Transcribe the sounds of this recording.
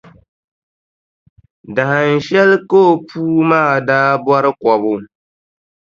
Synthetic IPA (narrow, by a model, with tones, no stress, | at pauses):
da˨ha˨n̩˨ʃɛ˦lkoː˦˨puː˦maː˦˨daː˦bwɔ˦ɾɨ˦kɔ˨βʊ˦